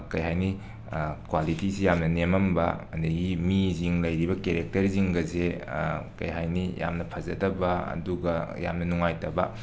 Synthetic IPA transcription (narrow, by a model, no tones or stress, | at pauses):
kɐjɦajni | kwalitisijamnɐnemɐmbɐ̰ɐ̰ndɐɡimiziŋlɐjɾibɐkeɾek̚tɐɾziŋɡɐzekɐ̰jɦajnija̰mnɐpʰɐzɐdɐbɐɐ̰duɡɐja̰mnɐnuŋajtɐbɐ